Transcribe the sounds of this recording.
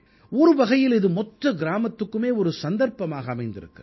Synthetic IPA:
ɔɾɯʋɐɣɐjɪlɪðɯmɔʈrɐɡɪɾaːmɐt̪ːɯkːɯmeːɔɾɯsɐnd̪ɐɾpɐmaːɣɐːmɐɪnd̪ɪɾɯ̰kːɐ

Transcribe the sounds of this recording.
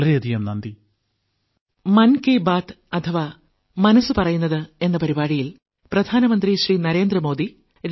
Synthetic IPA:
ɭɐɾeɐd̪ʱijɐmnɐnd̪i | mɐnkebaːt̪ | ɐt̪ʰɐʋa | mɐnɐsɨpɐrɐjunːɐðɨe̞nːɐpɐɾibaːɻijil | prɐd̪ʱaːnɐmɐnd̪riɕriːnɐɾe̞ːnd̪ɾɐmo̞ːd̪i | ɾ

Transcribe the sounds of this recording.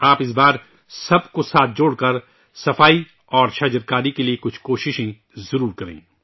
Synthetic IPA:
aːpɪs̬baːɾ | sɐbkosaːt̪̚ʰd͡ʒoːɽkɐɾ | sɐfaːi | ɔːɾʃɐd͡ʒəɾkaːɾikeliekʊt͡ʃʰkoːʃɪʃẽ | zɐɾuːɾkɐɾḛ̃ː

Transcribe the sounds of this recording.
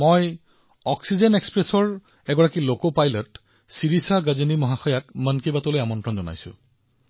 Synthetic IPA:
moj | ɔksizenekspɹesɔɹ | ɛɡɔɹakilokopajlɔt | siɹisaɡazinimɔɦaxɔjakmənkibatolojamɔntɹɔnzɔna̰jsʊ̰̃

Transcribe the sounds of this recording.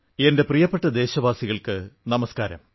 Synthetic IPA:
ende̞prijɐpːeʈːɐd̪e̞ːɕɐʋaːsiɣɐɭkɨnɐmɐskaːɾɐ̰m

